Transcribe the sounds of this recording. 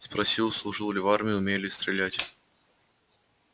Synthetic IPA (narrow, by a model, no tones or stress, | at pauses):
spɾɐsʲilˠslˠʊʐɨlˠlʲɪvarmʲɪjʊːmʲelʲɪst̪ɾʲɪlʲætʲ